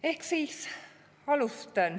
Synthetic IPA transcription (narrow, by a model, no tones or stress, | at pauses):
ehksiːs | ɑlust̪ɑn